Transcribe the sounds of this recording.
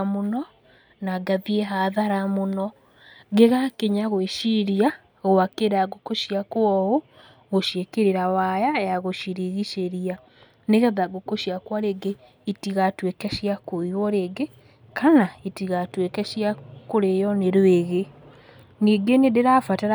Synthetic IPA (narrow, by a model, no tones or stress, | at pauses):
monɔ | naɡaðieɦaðaɾamonɔ | ɡeɣakeɲaɣoeʃiɾia | ɣoakeɾaɡokoʃiakwɔo | ɣoʃjekeɾeɾawajajaɣoʃiɾiɣiʃeɾia | neɣɛðaɡokoʃjakwaɾeɡe | itiɣatwekɛʃiakoiwɔɾeɡe | kanaitiɣatwekɛʃjakoɾejɔneɾweɣe | niːɡenedeɾafataɾa